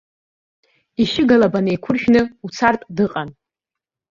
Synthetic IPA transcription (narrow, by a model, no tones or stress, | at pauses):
iʃɪɡalabanejkʷʰʊrʃᶣnɨut͡sʰartʼdɨqʼan